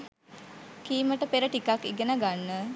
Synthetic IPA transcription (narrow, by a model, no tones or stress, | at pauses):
kiːməʈəpeɾəʈikakiɡenaɡanːə